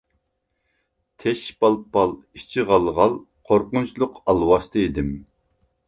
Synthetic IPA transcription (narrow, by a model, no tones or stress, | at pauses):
t̪ʰɛʃbɑlˠpɑlˠ | it͡ʃʰiʁɑlˠʁɑlˠ | qʰoɾqʊnt͡ʃʰlˠʊqʰɑlˠwɑst̪ʰɨid̪ɪm